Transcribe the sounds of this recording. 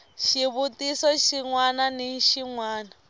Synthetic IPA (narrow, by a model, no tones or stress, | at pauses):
ʃiβutʼisɔʃiŋwananiŋʃiŋwaːna